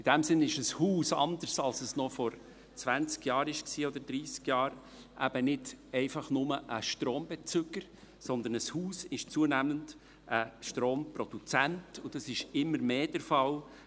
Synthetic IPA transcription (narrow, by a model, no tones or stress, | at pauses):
ɪd̥ɛmsɪnɪʃəshuːsɑ̰nd̪əɾsɑlsəsnɔfɔɾ | t͡svænt͡skjɑːɾɪʃksiːɔd̪əɾd̪ɾiːskjɑːɾ | ʔæb̥ənɪdɛɪfɑχnʊməʔəʃtɾoːmb̥ɛt͡sʏɡ̥əɾ | sɔnd̪ənəshuːsɪʃt͡suənæmənd | ʔəʃtɾoːmprɔd̥ut͡sæntʊd̥ɑsɪʃɪmːəɾmeːd̥ɛɾfɑl